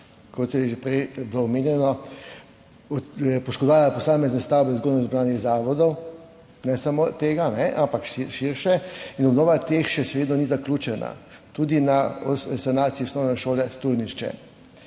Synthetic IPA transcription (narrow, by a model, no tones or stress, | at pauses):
kɔt̪jɛʒɛpɾɛjbloɔmeːnjɛnɔ | pɔʃkɔd̪ʋaːlapɔsaːmɛznɛst̪aːwbɛzɡoːd̪nɔzbɾaːniɣzaːʋɔd̪ɔw | nɛsamot̪eːɡanɛʔampakʃʃiɾʃɛinɔbnɔːʋat̪exʃɛʃɛʋeːd̪nɔnizaklʲuːt͡ʃɛna̰ | t̪uːd̪inaɔsanaːt̪sijiɔsnɔːwnɛʃoːlɛst̪uɾniʃt͡ʃɛ̰